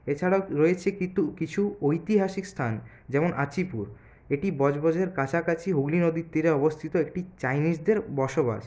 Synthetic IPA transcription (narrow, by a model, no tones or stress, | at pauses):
et͡ɕʰaɽaoɾojet͡ɕʰekit̪ukit͡ɕʰuojt̪iɦaʃikst̪ʰan | d͡ʑɛmonʔat͡ɕipuɾ | eʈibɔd͡ʑbɔd͡ʑeɾkat͡ɕʰakat͡ɕʰiɦuɡlinod̪it̪ːiɾeɔbost̪ʰit̪oekʈit͡ɕajniʃd̪eɾbɔɾʃoba̰ʃ